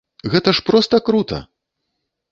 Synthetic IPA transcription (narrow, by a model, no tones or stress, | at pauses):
ɣɛt̪ɐʂpɾɔst̪ɐkɾut̪ɐ̰